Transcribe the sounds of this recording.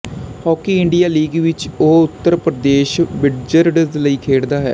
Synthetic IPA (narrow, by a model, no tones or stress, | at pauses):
hɔːkiːɪɳɖijaːliːɡʋɪt͡ʃoːʊt̪ːəɾpɾəd̪eːʃbɪɖd͡ʒəɾɖələiːkʰeːɽd̪aːɦɛ̰ː